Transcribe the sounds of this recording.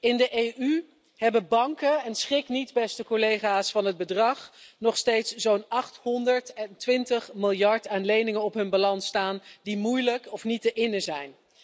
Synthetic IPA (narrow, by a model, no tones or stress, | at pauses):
ɪndəʔejʔy | ɦɛbəbɑŋkəɛnsχɪknitbɛstəkolejχaːsfɑnɦəd̚bədrɑχnɔχstejtszownɑχthɔndəɹtɛntʋɪntəχmɪlˠjɑɹtaːnlejnɪŋənɔpɦɵnbalɑnstaːndimujləkɔfnitəʔɪnəzɛjn